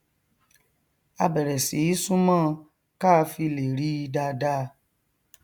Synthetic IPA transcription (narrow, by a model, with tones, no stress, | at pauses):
a˧bɛ˨ɾɛ˨si˨i˦sũ˦mãː˦˨ | ka˦˧fi˧le˨ɾi˨˦i˧da˧da˦˧